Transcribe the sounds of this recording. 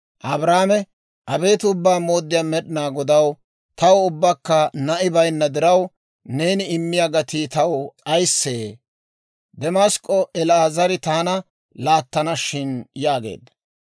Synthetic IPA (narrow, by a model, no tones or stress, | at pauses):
ʔɐbɾaːmɛ | ʔɐbe̞ːt̪ʊbːaːmo̞ːd̪ːɪjaːmɛɗɪnaːɡɔd̪ɐw | t̪ɐwʊbːɐkːɐnɐʔɪbɐjnːɐd̪ɪɾɐw | ne̞ːnɪɪmːɪjaɡɐt̪iːt̪ɐwt͡sʼɐjsːeː | d̪ɛmaskʼːɔʔɛlaːzɐɾɪt̪aːnɐ | laːt̪ːɐnɐʃɪnjaːɡe̞̰ːd̪ɐ̥